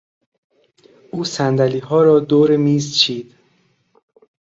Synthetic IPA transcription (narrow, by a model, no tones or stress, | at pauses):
ʔuːsænd̪æliːɦɒːɾɒːd̪oːɾemiːzt͡ʃʰiːd̪̥